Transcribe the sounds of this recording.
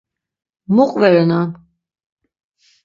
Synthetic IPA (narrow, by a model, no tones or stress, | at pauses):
muqʼvɛɾɛnan